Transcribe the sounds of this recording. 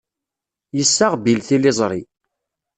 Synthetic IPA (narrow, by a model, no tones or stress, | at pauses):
jəsːaʁbilθilɪzˤɾˤi